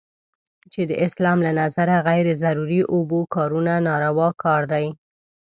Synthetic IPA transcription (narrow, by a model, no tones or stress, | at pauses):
t͡ʃed̪əʔɪslɑmlanazaɾaɣajɾzaɾuɾiʔobokɑɾunanɑɾawɑkɑɾd̪aj